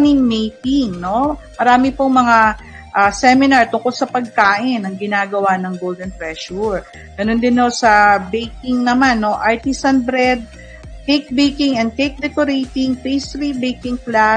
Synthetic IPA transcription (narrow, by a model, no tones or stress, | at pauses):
nɪŋmejk̪iŋnomɐɾaːmɪpoŋmɐŋa | ʔasɛmɪnɐɹt̪ʊŋkolsɐpɐɡ̚kaːʔɪnɐŋɡɪnaːɡɐwanɐŋɡowld̪ɛnpɹɛʃuɹ | ɡɐnond̪ɪnːosɐbɛjkɪŋnɐmanːo̞ʔaɹt̪ɪsɐnbɾɛd̪̚ | kejk̚bejkɪŋɛnd̪̚kejk̚d̪ɛkoɾejt̪ɪŋpejst̪ɾibejkɪŋkla